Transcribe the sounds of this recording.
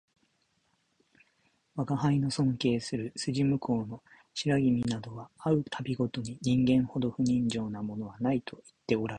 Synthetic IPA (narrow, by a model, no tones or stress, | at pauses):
βaɡaɦaino̞sõ̞ŋke̞ːsɨɾɯ̟sɨʑimɯ̟kʰo̞ːno̞ | ɕiɾaɡʲimʲinad̪o̞βaaɯ̟t̪ʰabʲiɡo̞t̪o̞ɲ̟iɲĩŋɡẽ̞ɰ̃ho̞d̪o̞ɸɯ̟ɲ̟ĩɲd͡ʑo̞ːnamo̞no̞βanait̪ʰo̞i̥t̪ːe̞oɾaɾ